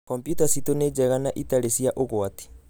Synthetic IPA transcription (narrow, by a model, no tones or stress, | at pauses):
kɔmpjutasitoned͡ʒɛɣanaʔitaɾesiaʔoɣwati̥